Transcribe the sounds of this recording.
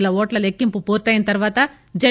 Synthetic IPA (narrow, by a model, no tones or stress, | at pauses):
lɐoːʈlɐlekːimpupuːɾt̪aːjinɐt̪ɐɾʋaːt̪ɐ | d͡ʒɐ